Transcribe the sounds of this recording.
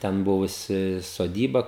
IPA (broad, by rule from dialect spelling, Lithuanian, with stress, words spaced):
ˈtʲɛn ˈbʊʋʊsʲɪ soːˈdʲiːbɐ